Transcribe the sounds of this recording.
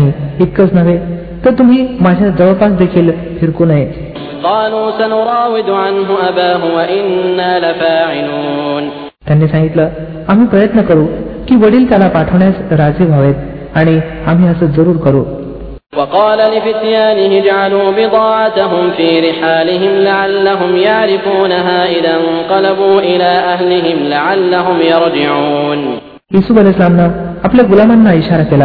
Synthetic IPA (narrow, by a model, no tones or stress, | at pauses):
iːit̪̚kət͡snəʋe | t̪əɾt̪um̤iːmad͡ʑʱjad͡zəʋəpasd̪ekʰiːl | fʰiɾkonaje | qɑːluːsanʊɾˤɑːwɪd̪ʕanɦʊʔabaːɦʊwaʔɪnːaːlafaːʕɪluːn | t̪janːiːsãŋɡit̪ləː | am̤iːpɾəjət̪nəkəɾukiːʋəɽiːlt̪jalapaʈʰəʋɳjasɾad͡ziːbʱaʋet̪ | aɽ̃i | am̤iːəsəːd͡zəɾuːɾkəɾuː | wɑqɑːlalɪfɪt̪jaːnɪɦɪd͡ʒʕaluːbɪd̪ˤɑːʕat̪aɦʊmfiːɾɪħaːlɪɦɪmlaʕalːaɦʊmjaʕɾɪfuːnaɦaːʔɪðanqɑlabuːʔɪlaːʔaɦlɪɦɪmlaʕalːaɦʊmjɑɾˤd͡ʒɪʕuːn | jisubəlislamnaapljaɡulamanːaiɕaɾakela